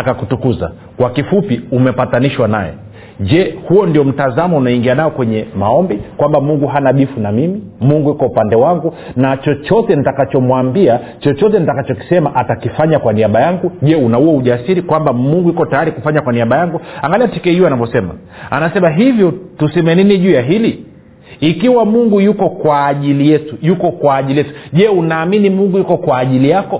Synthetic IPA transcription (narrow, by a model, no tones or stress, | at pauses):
akakutukuza̰ | kwakifupiumɛpataniʃwanajɛ̰ | ʄɛhuɔndiɔm̩tazamɔunaiŋɡianajɔkwɛɲɛmaɔmbikwambamuŋɡuɦanaɓifunamimimuŋɡuikwɔupandɛwaŋɡu | nat͡ʃɔt͡ʃɔtɛnitakat͡ʃɔmwambia | t͡ʃɔt͡ʃɔtɛnitakat͡ʃɔki̥sɛmaʔatakifaɲakwaniaɓajaŋɡuʄɛunauwauʄasiɾikwambamuŋɡuikɔtajaɾikufaɲakwaniaɓajaŋɡuaŋɡaliatikɛuanavɔsɛma̰ | a̰nasɛmaɦivjɔtusɛmɛniniʄuːjaɦili | ikiwamuŋɡujukɔkwaːʄilijɛtujukɔkwaːʄilijɛtu̥ʄɛunaːminimuŋɡujukɔkwaːʄilijakɔ